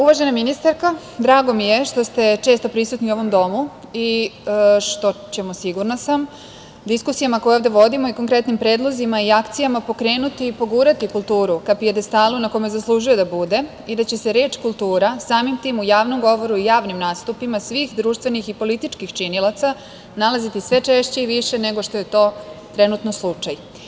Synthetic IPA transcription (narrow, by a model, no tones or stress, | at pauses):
uʋaʒe̞naminist̪aɾka | d̪ɾaːɡo̞mije̞ʃt̪o̞st̪e̞t͡ʃe̞ːst̪o̞pɾisuːt̪niuo̞ʋo̞md̪o̞mu | i | ʃt̪o̞t͡ɕe̞mo̞siɡuɾnasam | d̪iskusijamako̞jeovd̪e̞ʋo̞d̪imo̞iko̞ŋkɾe̞t̪nimpɾe̞ːd̪lˠo̞zimaiakt̪sijamapo̞kɾe̞ːnut̪iːpo̞ɡuːɾat̪ikulˠt̪uːɾukapiad̪est̪aːlunako̞jmezaslˠuːʒujo̞d̪abud̪e̞ | id̪at͡ɕe̞se̞ɾe̞ːt͡ʃkulˠt̪uːɾasaːmimt̪iːmujaːʋno̞mɡo̞ʋo̞ɾuijaːʋnimnaːst̪upimasʋiːxd̪ɾuːʃt̪ʋe̞nixipo̞lit̪it͡ʃkixt͡ʃinilat̪sa | nalazit̪isʋe̞t͡ʂe̞ʃt͡ɕeiʋiʃene̞ɡo̞ʃt̪o̞je̞t̪o̞ːt̪ɾe̞nut̪noslˠut͡ʂaj